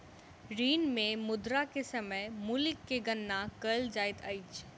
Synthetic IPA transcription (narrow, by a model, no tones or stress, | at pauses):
ɾiːnmẽmʊd̪ɾakesɐməjmʊlɪkːeɡɐnːakəld͡ʒaːɪt̪ʰə̰it͡ʃ